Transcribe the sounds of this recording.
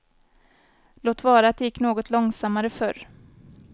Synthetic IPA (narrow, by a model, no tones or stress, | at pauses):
loːt̪vɑːɾaːt̪̚d̪ɛjɪkːnoːɡɔt̪ʰlɔŋsamːaɾəfœɾ